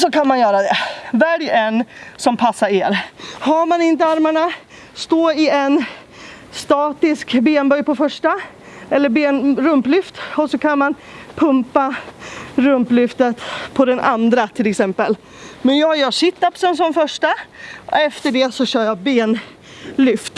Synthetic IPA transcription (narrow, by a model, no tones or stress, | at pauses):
sɔkanmanjœːɾad̪ɛvæɖɛnːsɔmpʰasːaɾeːɾhaɾmanɪnt̪əaɾmaɳa | st̪oːɪɛn | st̪ɑːt̪ɪskbeːnbœjpɔfœʂʈa | ɛlːəɾbeːnɾɵmplʏft̪ɔsɔkʰanman | pʰɵmpa | ɾɵmplʏft̪ət̪pʰɔd̪ɛnʔa̰nd̪ɾat̪ʰɪlɛksɛmpəl | mɛnjɑːjœːʂɪt̪ːapsəns̬ɔmfœʂʈaɔ̰ɛft̪əɖɛsɔɕœːɾjɑbeːn | lʏft̪